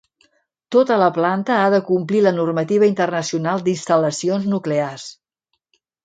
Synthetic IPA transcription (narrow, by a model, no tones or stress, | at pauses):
t̪ot̪ələplant̪əaðəkumplilənurmət̪iβ̞əint̪ərnəsiunalˠd̪inst̪ələsionznuklears